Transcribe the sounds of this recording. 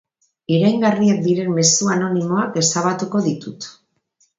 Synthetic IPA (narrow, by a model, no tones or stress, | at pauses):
iɾajŋɡariek̚d̪iɾe̞mme̞suano̞nimo̞ake̞saβat̪uko̞ðit̪ut̪